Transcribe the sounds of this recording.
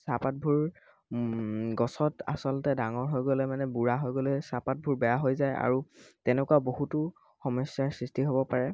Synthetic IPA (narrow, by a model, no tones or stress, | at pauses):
sapat̚bʱuɹ | ɡɔsɔta̰sɔltɛdaŋɔɹɦojɡɔlɛmanɛbuɹaɦojɡolɛsapat̚bʱuɹbɛjaɦojzaja̰ɹutɛnɛkuwabohutʊ | xɔmɔsjaɹsɹistiɦobɔpaɹɛ